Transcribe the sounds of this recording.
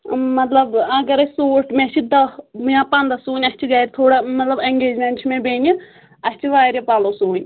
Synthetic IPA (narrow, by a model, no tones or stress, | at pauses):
mɐt̪ləbɐɡəɾɐsoːʈmẽt͡ʃʰid̪ɐmãpãːnd̪aːsuːɲɐt͡ʃʰiɡaːjɾt̪ʰoːɽamɐt̪ləbɛŋɡeːd͡ʒmɛ̃ːɳʈt͡ʃʰmẽbẽːni | ɐst͡ʃʰiʋaːjɾjepaːloːsuːɲʲ